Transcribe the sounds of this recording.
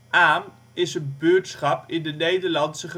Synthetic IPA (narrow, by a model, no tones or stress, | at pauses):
aːm | ɪsənbøːtsχɑpʰɪndənejdəɹlɑntsəχə